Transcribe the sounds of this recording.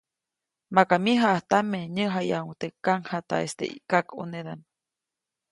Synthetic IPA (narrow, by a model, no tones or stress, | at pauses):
makamiɦaʔaht̪ameɲəɦajauŋt̪ekaŋhat̪a̰est̪ḛʔḭkakuneðan